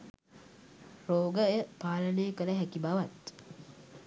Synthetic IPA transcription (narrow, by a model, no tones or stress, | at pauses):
ɾoːɡəjəpaːləneːkələɦækibaʋat̪